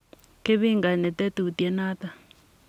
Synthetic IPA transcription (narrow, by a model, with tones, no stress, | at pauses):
ke˦βi˦ŋɡa˨nɛ˨t̪ɛ˦t̪u˨u˨tiɛ˦naː˦t̪a˨